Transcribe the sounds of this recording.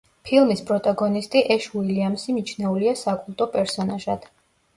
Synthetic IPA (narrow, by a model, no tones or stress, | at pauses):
pʰilˠmispʼɾɔt̪ʼaɡɔnist̪ʼiʔɛʃuiliamsimit͡ʃʰnɛuliasakʼulˠt̪ʼɔpʼɛɾsɔnaʒad̪̥